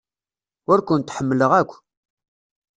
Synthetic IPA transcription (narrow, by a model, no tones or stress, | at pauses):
ʊɾkʷʊnt̪ħəmːləʁækʷː